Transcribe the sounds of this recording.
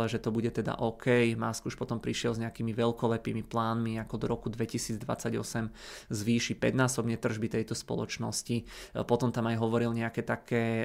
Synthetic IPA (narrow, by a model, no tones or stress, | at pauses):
lɛʒɛt̪ɔbuɟɛt̪ɛd̪a̰ʔɔkʰɛjma̰skuʃpɔt̪ɔmpɾiʃɪɛlzɲɛakiːmiʋɛlkɔlɛpḭːmiplaːnmiakɔd̪ɔɾɔkud̪ʋɛcisiːd͡zd̪ʋa̰t͡saɟɔ̰sɛmzʋiːʃipɛ̰d̪naːsɔbɲɛt̪r̩ʒbit̪ɛjt̪ɔspɔ̰lɔ̰t͡ʃnɔ̰scipɔt̪ɔmt̪amajɦɔʋɔɾilɲɛakɛt̪akʰɛː